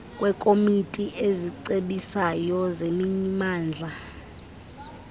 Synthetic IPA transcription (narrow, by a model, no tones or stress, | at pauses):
kʼwɛkʼomitʼiʔeziǀeɓisajɔzemiɲimaːnd͡ɮʱa